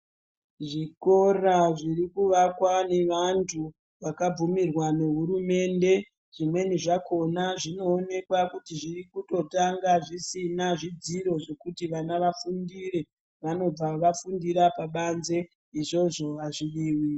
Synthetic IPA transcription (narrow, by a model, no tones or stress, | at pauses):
ʐiko̞raʐiɾikuʋakwane̞ʋantʰu | ʋakab͡vumirwane̞ɦuɾume̞nde̞ | ʐ̥imwe̞niʐako̞naʐino̞ːne̞kwakutiʐirikuto̞taŋɡaʐisinaʐid͡ziɾo̞ʐe̞kutiʋanaʋafundire̞ | ʋano̞b͡vaʋafundiɾapaɓanze̞ | iʐo̞ʐo̞ʋaʐiʋiːwi